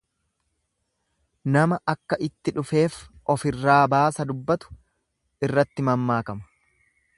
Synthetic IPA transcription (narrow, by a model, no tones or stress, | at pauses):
nɐmɐʔɐkːɐʔɪt̪ːɪᶑʊfe̞ːfɔfɪrːaːbaːsɐd̪ʊbːɐt̪ʊ̥ | ɪrːɐt̪ːɪmɐmːaːkɐmɐ̥